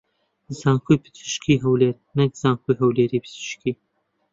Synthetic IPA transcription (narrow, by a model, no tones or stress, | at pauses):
zaːŋkʰujpʰɨ̥t̪ʰɨ̥ʃkʰiːɦɐwleːɾnɛk̚z̥aːŋkujɦɐwleːɾiːpʰɨ̥tɨ̥ʃkiː